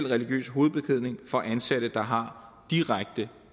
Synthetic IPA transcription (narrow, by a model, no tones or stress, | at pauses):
l̰ʁɛliɡ̥jø̰ːsɦo̝ːð̞̩ˠb̥e̝kʰeð̰ˠne̝ŋfɒ̽ʔænsæɾ̥əd̥ɑ̈ɦɑ̈ | d̥iʁaɡ̥̚d̥ə